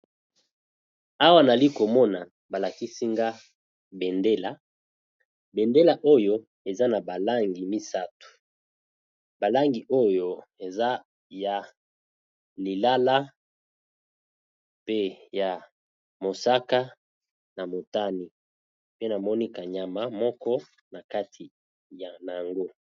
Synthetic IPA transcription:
a˦wa˦na˨li˦ko˨mɔ˦na˨ | ba˨la˨ki˦si˦ŋɡa˦ | be˨nde˦la˨ | be˨nde˦la˨ʔo˦jo˦ | e˨za˦na˨ba˨la˦ŋɡi˨mi˦sa˦tu̥˨ | ba˨la˦ŋɡi˨ʔo˦jo˨ | e˨za˦ | ja˨ | li˨la˦la˦ | pe˦ja˨ | mo˨sa˦ka˦ | na˨mo˨ta˦ni˨ | pe˦na˨mɔ˦ni˦ka˨ɲa˨ma˦mɔ˦kɔ˦ | na˨ka˦tʰi˨ | ja˨na˨a˨ŋɡo˦

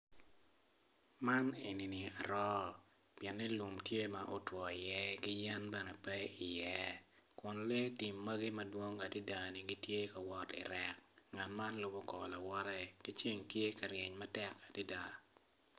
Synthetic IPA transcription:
ma˦ne˨ni˨ni˨a˨ɾɔ˦ | pjɛ˨nːɛ˦lu˨mtje˦ma˨ʔo˦twɔ˨i˨jɛ˦ɡɪ˦jɛ˦nbɛ˦nɛ˨pɛ˦i˨jɛ˦kʊ˨nle˦ti˨mːɐ˦ɡi˦mɐ˦dwo˦ŋa˨di˦da˨ni˨ɡi˦tje˦ka˨wɔ˨tɪ̰˨ɾɛ˨k̚ŋa˨tma˦nlʊ˦bo˦kɔ˨la˨wɔ˦ɾɛ˦ki˦t͡ʃi˦ŋtje˦ka˨ɾje˨ɲmɐ˦tɛ˦ka˨di˦da˨

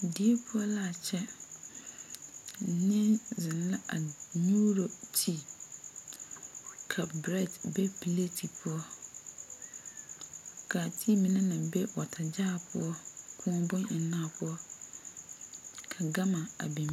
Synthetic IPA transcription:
di˨e˦pʰʊ˦ɔ˦la˦a˨t͡ɕʰɛ˦˨ | nɪ̃˦nzɪ̃˨n˦la˦ʔa˨ɲu˦ɾo˨tʰi˦ | kʰa˨pbɾɛ˦˨tbɛ˦pʰi˨le˦tʰi˨pʰʊ˦ɔ˦ | kʰa˨tʰi˦mĩ˨nã˦nã˨bɛ˦wɔ˨tʰa˨d͡ʑaː˦˨pʰʊ˦ɔ˦kʰʊ̃˦bɔ̃˦nɪ˨nã˦˨pʰʊ˦ɔ˦ | kʰa˨ɡa˦mã˨a̰˨bĩ˨m˦

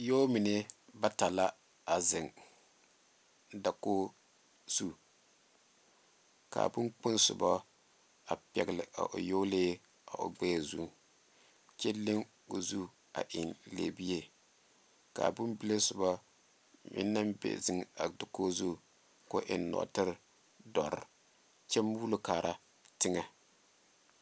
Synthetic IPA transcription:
jo˦mɪ˨nɪ˦ba˦ta˨la˦ | a˨zɪ˨ŋ | da˨ko˦ | z̥u˦ | ka̰˨bʊ˦nk͡pʊ˦nsʊ̰˨bɔ˦ | a˨pɛ̰˨ɡlɪ˨ʔa̰˨ʔo̰˨joː˦leː˦ | a˨ʔʊ̰˨ɡ͡bɛ˦˨zu˦˨ | t͡ʃɛ˦le˦ŋ | o˨zu˦ | a̰˨ʔɪ˨nlḛ˨bi˦je˦ | ka̰ː˨bʊ˦nbi˦le˦sʊ˨ba˦ | mɪ̰˦nːa˦mbḛ˨zɪ˦ŋa˨dʊ˨ko˦zu˦˨ | ko˦ʔɪ˨nnɔ̰˨ʔtɨ˦ɾ | dɔ˨ɾ | t͡ʃɛ˦mbu˦lʊ˦kaː˨ɾa˦ | tɪ˦ŋa˨

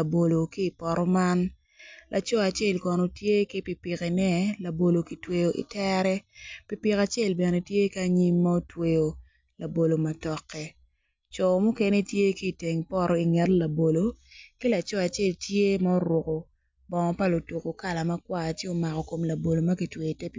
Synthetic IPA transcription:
la˨bo˨lo˨kiː˦˨pɔ˨ɾɔ˦ma˦n | lʔa˨t͡ʃɔ˦a˨t͡ʃe˦˨lkɔ˨no˨tje˦ki˦pi˨pɪ˨ke˨nɛ˦la˨bo˨lo˨ki˨twe˨jo˨ʔḭ˨tɛ˦ɾɛ˦pi˨pi˨ka˨t͡ʃe˦˨lbɛ˨ne˨tje˦ka˦ɲi˦mːa˦o˦twe˨jo˨ | la˨bo˨lo˨ma˨tɔ˨kːɛ˨ | t͡ʃɔ˨mu˦ke˦ne˦tje˦kiː˦˨te˨ŋpɔ˦ɾɔ˨i˨ŋɛ˨tla˨bo˨lo˨ke˦la˨t͡ʃɔ˦a˨t͡ʃe˦˨ltje˦ma˦o˦ɾwo˨ko˨ | bɔ˨ŋɔ˨pa˦lo˨tu˨ko˨ka˦˨la˨ma˦kwa˦˨t͡ʃje˦o˨ma˨kɔ˨ko˨mla˨bo˨lo˨mɐ˦ki˨twe˨ji˨tɛ˦p

